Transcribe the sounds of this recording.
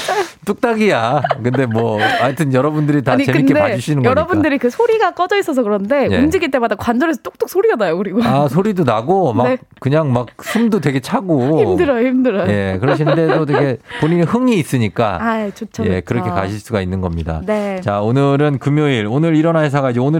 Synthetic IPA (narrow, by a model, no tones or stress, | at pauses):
t͈uk̚t͈aɡijakɯnde̞mwʌaɭtʰɯnjʌɾʌbundɯɾitait͡ɕemɯikedpeaiɕʰinɯŋɡʌɾʌbundɯɾikɯsʰoɾiɡak͈ʌd͡ʑʌis͈ʌs̬ʰʌkɯɾʌnde̞jemd͡ʑiɡit͈e̞madakwand͡ʑʌɾesʰʌt͈ok̚t͈ok̚sʰoɾianajokɯɾiɡoasʰoɾidonaɡomakɯɲaŋmak̚sʰɯmdotwe̞ɡe̞t͡ɕʰaɡoimdɯɾaimdɯɾajje̞kɯɾʌɕ̬ʰinnde̞dotweɡe̞poɲinihɯŋiːs͈ɯɲik͈a̰at͡ɕot͡ɕʰje̞̰kɯɾʌkkʰe̞ka̰ɕʰiɭs͈uɡainːɯnɡʌmɲida̰net͡ɕaonɯɾɯnkɯmjoiɾonɯɾiɾʌnaɦes̬ʰaɡaid͡ʑeonɯɭ